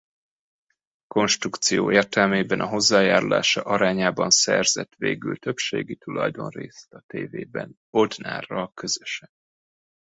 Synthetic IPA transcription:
ko̞nʃt̪rukt̪sijoːʔeːrt̪ɛlmeːbɛnʔɒɦo̞zːaːjaːɾula̰ːʃɒʔɒɾaːɲaːbɒnsɛrzɛt̪ʋeːɡylt̪ø̞pʃeːɡit̪ulɒ̰jd̪o̞nreːst̪ɒt̪eːveːbɛn | o̞d̪na̰ːrːɒkø̞zø̥ʃɛn

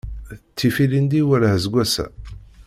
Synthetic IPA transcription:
t͡sːifilind̪iwælhzɡʷæsæ̰

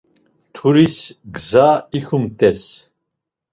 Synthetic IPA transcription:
t̪ʰuɾisɡzaixumt̪ʼɛs

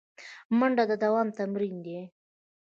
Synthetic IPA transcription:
məɳɖad̪əd̪awɑmt̪amɾind̪e

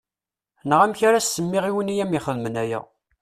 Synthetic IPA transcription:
nəʁæmçaɾasːəmːɪʁiwənijæmiχəðmənæjæ̰

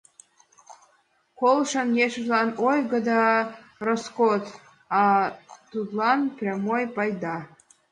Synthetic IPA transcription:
kolʃənjeʃəʒlɑnojɣəd̪ɑ | roskot̪ | ɑt̪ut̪lɑnprʲɑmojpɑjd̪ɑ

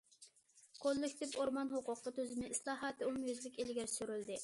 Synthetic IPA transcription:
qʰolˠːɪkʲt̪ʰɪpoɾmɑnɦoqʊqːɑt̪ʰøzɪmɪislˠɑːɦɑːt̪ɨumjøzlɪkʲelɪɡʲɛɾsyɾyld̪ɪ

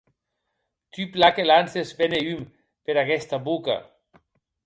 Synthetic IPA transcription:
t̪yplakelansezbeneym | peɾaɣɛst̪aβuka̰

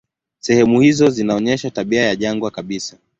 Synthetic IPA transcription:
sɛhɛmuhizɔzinaɔɲɛʃataɓiajaʄaŋɡwakaɓisa

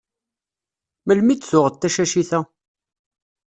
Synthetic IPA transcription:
məlmit̪θʊʁət̪ːæʃæʃiθæ

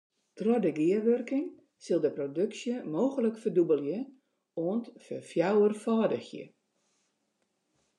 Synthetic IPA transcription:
trɔdəɡɪəʋørkɪŋ | sɪlˠdəprodøksjəmoːɣələkfərdubəlˠjə | oəntfəfjawərfaːdəxjə̰

